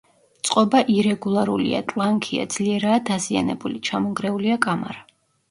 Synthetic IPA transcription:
t̪sʼqʼɔbaʔiɾɛɡulˠaɾulḭa̰t̪ʼlˠaŋkʰia̰d̪zliɛɾaːd̪azia̰nɛbulit͡ʃʰamɔŋɡɾɛuliakʼama̰ɾa

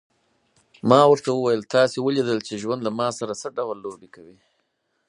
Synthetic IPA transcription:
mɑwəɾt̪awəwajəlt̪ɑsewəlid̪əlt͡ʃeʒwand̪lamɑsaɾasəɖawlːobikawi

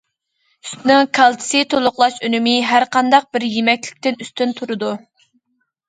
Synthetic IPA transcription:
yst̪nɪŋkʰɑlˠt̪ʰɨ̥sɨt̪ʰolˠʊqlˠɑʃønymɪɦæɾqʰɑnd̪ɑq̚bɪɾjemɛkʲlɪk̚ʲt̪ɪnyst̪ynt̪ʰuɾɨd̪u

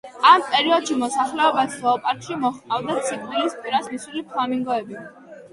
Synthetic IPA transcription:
ampʼɛɾiɔd̪̥ʃimɔsaχlɛɔbasɔɔpʼaɾt̪ʃimɔχavd̪at̪sʰikʰʼwilispʼiɾasmisulipʰlˠamiŋɡɔɛbi

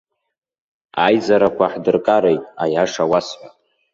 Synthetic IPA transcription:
ajzaɾakʷʰaħdɨrkʼaɾejtʼajaʂawasħʷa

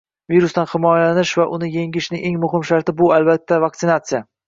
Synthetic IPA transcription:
viɾʊst̪anχɪmɒjalanɪʃvaʔʊnɪjeŋɪʃnɪʔe̞ŋmʊɦɪmʃaɾt̪ɪbʊalbat̪ʰːavak̚t̪sɪnat̪sija

